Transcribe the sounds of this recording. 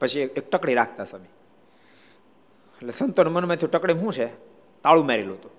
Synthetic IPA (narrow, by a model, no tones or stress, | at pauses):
pət͡ʃʰiek̚ʈəkɽiɾakʰt̪asəmi | eʈlesənt̪onmənmẽt̪ʰũʈəkɽemɦũt͡ʃʰe | t̪aɭũmeɾeluɦət̪ũ